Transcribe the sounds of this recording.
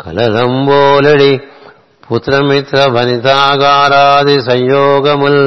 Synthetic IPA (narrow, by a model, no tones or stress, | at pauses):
kɐ̰lɐlɐmboːlɐɽi | put̪ɾɐmit̪ɾɐbʱɐnit̪aːɡaːɾaːd̪isɐjjoːɡɐmɐl